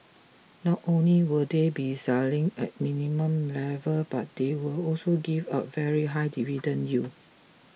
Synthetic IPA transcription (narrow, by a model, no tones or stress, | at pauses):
nɔtõnliwədebisɛlɪ̃ŋɛ̰t̚mĩnimə̃mlɛvəlbat̚dewəlɔsoɡivaʊt̚vɛɹiɦajdividə̃nju